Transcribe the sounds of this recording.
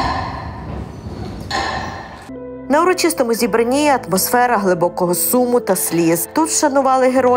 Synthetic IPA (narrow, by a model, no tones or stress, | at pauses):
nɐʊɾɔt͡ʃɪst̪ɔmʊzʲibɾɐnʲijɐɐt̪mɔsfɛɾɐɦlˠɪbɔkɔɦɔsumʊt̪ɐsʲlʲizt̪ut̪ʃɐnʊʋɑlˠɪɦeɾɔ